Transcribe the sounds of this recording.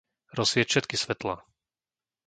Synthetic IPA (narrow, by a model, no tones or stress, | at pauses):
ɾɔsʋɪɛcʃɛt̪kisʋɛt̪la